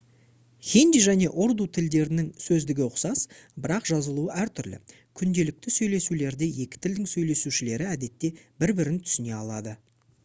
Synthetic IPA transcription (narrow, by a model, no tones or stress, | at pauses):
χʲend̪iʒæne̞ʔoɾd̪ut̪ʰɪld̪e̞ɾɪnɪŋsɵzd̪ɪɡʲɪʊqsɑsbɪɾɑqʒɑzəlˠuəʔæɾt̪ʰʏɾlɪ̰ | kʲʰʏnd̪e̞lɪk̚t̪ɪsɵjle̞sule̞ɾd̪e̞je̞kʲɪ̥t̪ʰɪld̪ɪŋsɵjle̞suʃɪle̞ɾɪæd̪e̞t̪ːe̞bɪɾbɪɾɪnt̪ʰʏ̥sɪne̞ɑlˠɑd̪ə